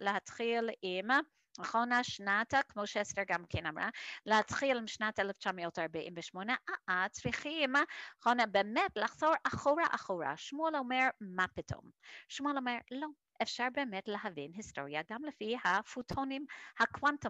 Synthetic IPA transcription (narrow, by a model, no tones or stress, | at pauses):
lehatχilim | aχonaʃnatakmoʃɛsteɹɡamkʰɛnamɹa̰lehatχilimʃnatɛlɛft͡ʃamijotaɹbaʔimvəʃmonəʔaat͡sɹiχimχonabeːmɛtlaχz̥oɹʔaχoɹaʔaχoɹa̰ʃmuɛlomeɹmapitʰo̰mʃmulomeɹlo | ʔefʃaɹbeːmɛtleɦavinɦisto̰ɹjaɡamləfihafutʰonimhakʰwanto